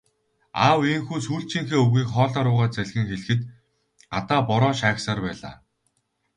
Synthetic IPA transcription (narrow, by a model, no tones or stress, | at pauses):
a̰ːweŋxuːsuːɬt͡ɕĭːŋxeːɵɣiːkχɔːɮaːɾʊːʁaːt͡sæɮʲɣɘ̆ŋxeɮxɘ̆t̪ | at̪aːpɔɾɔːʃaːksaːrpæːɮa̰ː